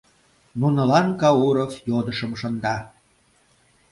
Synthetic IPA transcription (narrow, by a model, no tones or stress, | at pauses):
nunə̆lɑnkɑuɾofjod̪əʃəmʃənd̪ɑ